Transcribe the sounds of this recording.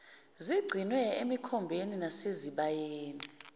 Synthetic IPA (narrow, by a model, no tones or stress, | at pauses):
ziɡ͡ǀʱinwɛemikʰɔmbʱeninaseziɓajeeːni